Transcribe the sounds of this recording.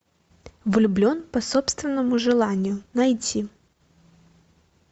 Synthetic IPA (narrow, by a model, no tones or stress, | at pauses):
vlʲʊblʲonpɐsopst̪vʲɪnːəmʊʐɨlˠanʲɪjʊnɐjtʲi